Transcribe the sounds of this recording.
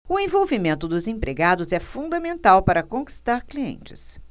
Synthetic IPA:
ʊẽvowvimẽnt̪ʊd̪ʊzẽpɾeɡad̪ʊzɛfũd̪ɐmẽnt̪awpaɾɐkõki̥st̪aɾkliḛ̃nt͡ʃɪ̥̰s

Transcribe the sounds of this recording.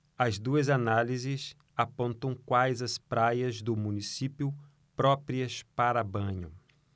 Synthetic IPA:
ɐzd̪uɐzanalizɪs | apõnt̪ɐ̃w̃kwajzɐspɾajɐzd̪ʊmũnisipjʊ | pɾɔpɾiɐspaɾɐbɐ̃ɲʊ̰

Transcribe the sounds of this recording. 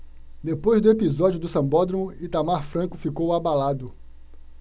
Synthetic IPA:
d̪epojzd̪ʊepizɔd͡ʒjʊd̪ʊsɐ̃bɔd̪ɾõw̃it̪amaɾfɾɐ̃kʊfikowabalad̪ʊ

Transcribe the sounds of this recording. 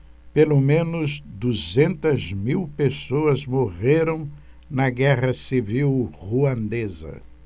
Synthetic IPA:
pelomẽnʊzd̪uzẽnt̪ɐzmiwpesoɐzmoʁeɾɐ̃w̃ | nɐɡɛʁɐsiviwʁuɐ̃nd̪ezɐ̰

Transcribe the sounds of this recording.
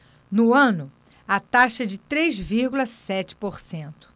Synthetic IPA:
nʊɐ̃nʊ | at̪aʃɐd͡ʒɪt̪ɾejzviɾɡulɐsɛt͡ʃɪ̥poɾsẽnt̪ʊ̥

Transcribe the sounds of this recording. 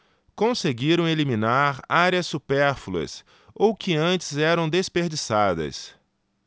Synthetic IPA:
kõseɡiɾɐ̃w̃elimĩnaɾaɾjɐsːupɛɾfulɐ̰s | owkɪɐ̃nt͡ʃɪ̥zɛɾɐ̃w̃d̪espeɾd͡ʒisad̪ɐ̰s

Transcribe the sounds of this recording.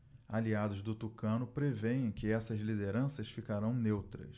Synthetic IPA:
aliad̪ʊzd̪ʊt̪ukɐ̃nʊpɾevejẽj̃kɪɛsɐzlid̪eɾɐ̃sɐsfikaɾɐ̃w̃newt̪ɾɐ̰s

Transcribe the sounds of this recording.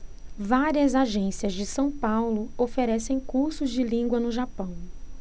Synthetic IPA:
vaɾiɐzaʒẽsiɐzd͡ʒɪsɐ̃w̃pawlʊofeɾɛsẽj̃kuɾsʊzd͡ʒɪlĩɡwɐnʊʒapɐ̃w̃

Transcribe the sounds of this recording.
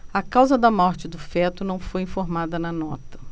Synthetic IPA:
ɐkawzɐd̪ɐmɔɾt͡ʃɪd̪ʊfɛt̪ʊnɐ̃w̃fojĩfoɾmad̪ɐnɐnɔt̪ɐ̥

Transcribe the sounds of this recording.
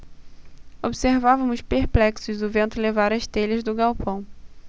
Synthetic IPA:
obseɾvavɐ̃mʊspeɾplɛksʊzʊvẽnt̪ʊlevaɾɐst̪eʎɐzd̪ʊɡawpɐ̃w̃

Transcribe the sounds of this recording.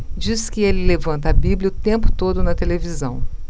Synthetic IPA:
d͡ʒiskɪelɪlevɐ̃nt̪ɐabiblʲjɐʊt̪ẽmpʊ̥t̪od̪ʊnɐt̪elevizɐ̃w̃

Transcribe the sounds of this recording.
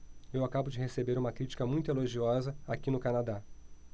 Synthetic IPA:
ewakabʊd͡ʒɪhesebeɾũmɐkɾit͡ʃi̥kɐmũj̃t̪ʊeloʒiɔzɐakinʊkanad̪a

